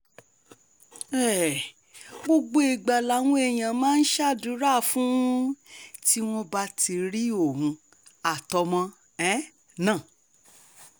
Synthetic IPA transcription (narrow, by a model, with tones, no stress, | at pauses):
ɛ˦˨ | ɡ͡bo˧ɡ͡bo˦i˨ɡ͡ba˨la˨˦w̃ũ˦e˨j̃ã˨mãː˦n̩˦ʃa˦˨du˨˦ɾa˦˨fũ˦ti˦w̃ɔ̃˦ba˧ti˧ɾi˦o˦˨hũ˧ | a˨tɔ˧mɔ̃˧ | ɛ̃˦ | nãː˦˨